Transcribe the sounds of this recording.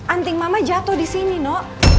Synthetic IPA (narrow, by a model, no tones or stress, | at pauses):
ʔant̪ɪŋmamad͡ʒat̪ɔdisininɔ